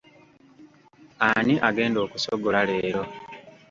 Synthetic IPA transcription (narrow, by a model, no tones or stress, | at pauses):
aniʔaɡe̞ːndo̞ːku̥soɡolaleːɾo̞